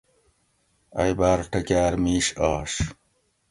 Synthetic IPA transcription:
ɐ̰jbaːɾʈɐkaːɾmiːʂɑːʂ

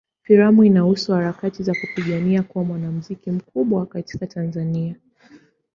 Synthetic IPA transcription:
fiɾamuinahusuhaɾakatizakupiɠaniakuwamwanam̩zikim̩kuɓwakati̥katʰanzania

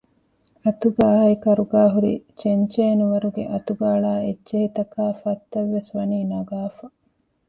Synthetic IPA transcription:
ɐt̪uɡaːɦɐikɐɾuɡaːɦuɾḭt͡ʃeɲt͡ʃeːnuʋɐɾuɡḛʔɐt̪uɡaːɭaːedt͡ʃehit̪ɐkaːfɐt̪ːɐʋːesʋɐniːnɐɡaːfɐ

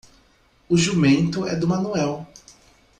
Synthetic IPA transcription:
ʊʒumẽnt̪ʊɛ̰d̪ʊmɐ̃nuɛw

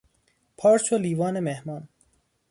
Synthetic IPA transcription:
pʰɑːɾt͡ʃʰoliːvɑːnemehmɑːn

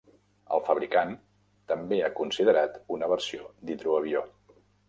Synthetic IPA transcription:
ə̰lˠfəβ̞ɾikan | t̪əmbeakunsið̞əɾat̪unəβ̞əɾsiod̪it̪ɾuəβ̞io

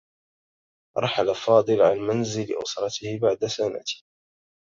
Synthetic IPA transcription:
ʔɑ̰ɾˤħalafɑːd̪ˤɨlʕanmanzɪlɪʔʊ̰sɾˤɑt̪ɪhɪbaʕd̪asana̰t̪ɪ̥

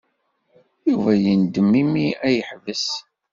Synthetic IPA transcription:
juvæjənd̪əmːimiæjəħvəs

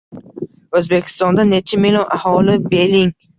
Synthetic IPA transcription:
ɵzbe̞kʲʰɪ̥st̪ɒnd̪anet͡ʃʰamilɒnʔahɒlɪbelɪŋ

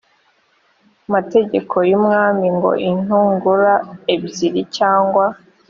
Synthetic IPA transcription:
mate̞ɟe̞kʰo̞jumŋaːmiŋɡo̞̰ʔin̥uːŋɡuɾaebziɾicaːŋɡwa

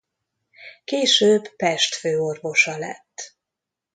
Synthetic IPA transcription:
keːʃøːbpɛʃt̪føːo̞rvo̞ʃɒlɛ̰t̪ː

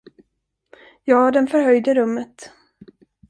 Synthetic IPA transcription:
jɑːd̪ɛnfœɾɦœjd̪əɾɵmːət̪

